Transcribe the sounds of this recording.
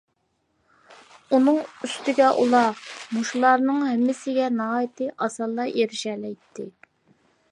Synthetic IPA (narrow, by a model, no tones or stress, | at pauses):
unɨŋyst̪ɪɡʲɛʔṵlˠɑmuʃulˠɑɾnɨŋhɛmːɪsɪɡʲɛnɑɦɑːjɪt̪ɨʔɑsɑlˠːɑjeɾɪʃɛlɛjt̪ʰːɪ